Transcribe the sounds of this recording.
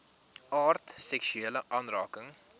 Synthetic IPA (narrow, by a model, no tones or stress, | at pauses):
ʔɑːrtsɛksyeːləʔɑːnrɑːkəŋ